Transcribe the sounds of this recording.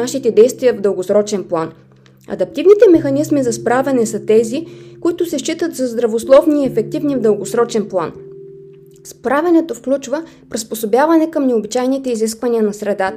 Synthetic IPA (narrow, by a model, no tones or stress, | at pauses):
aʃit̪ɛd̪ɛjst̪viəvd̪əlˠɡosɾɔt͡ʃɛnplˠan | ɐ̰d̪ɐp̚t̪ivnit̪ɛmɛxɐnizmizɐspɾavɛnɛsət̪ɛzikʊit̪ʊsɛʃt͡ʃit̪ət̪zɐzd̪ɾɐvoslˠɔvniɛfɛk̚t̪ivnivd̪ɤlˠɡosɾɔt͡ʃɛnplˠa̰n | spɾavʲɛnɛt̪ofklʲut͡ʃvə | pɾisposobʲjavɐnɛkəmnɛobit͡ʃajnit̪ɛiziskvɐniənɐsɾɛd̪at̪